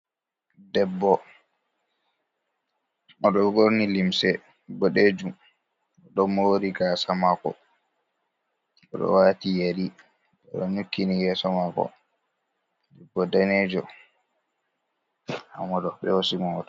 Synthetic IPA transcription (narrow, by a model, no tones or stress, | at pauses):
dɛbːɔ | ɔɗɔɡoɾnilimsɛ | bɔɗed͡ʒum | ɔɗɔmːɔwoɾiɡasamakɔ̰ | ɔɗɔ̰waːtijeɾi | ɔɗɔɲukːinijɛːsɔmakɔ̰ | dɛbːɔdaneːd͡ʒɔ | ha̰mɔɗɔɓɛwosimɔtɔ